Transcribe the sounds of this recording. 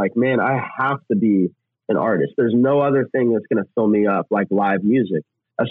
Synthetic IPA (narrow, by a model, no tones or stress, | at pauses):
aɪk̚mæ̃ña̰ɪhæftɨbi | ɨ̃nʔɑ̰ɹɾɨ̰st̪̚ðə˞znoʊʌðə˞θɪ̃ŋðɨtsɡ̥ʌñɨfɪlˠmiʌp̚laɪklaɪvmjʉzɪk̚ | ʔaɪ